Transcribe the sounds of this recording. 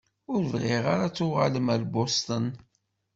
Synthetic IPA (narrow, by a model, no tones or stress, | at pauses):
ʊɾvʁɪʁaɾat͡sːʊʁaləmæɾbost̪ən